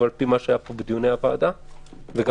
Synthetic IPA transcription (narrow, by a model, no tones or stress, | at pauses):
aɾpimaʃajapobd̪juneapaːd̪aveɡa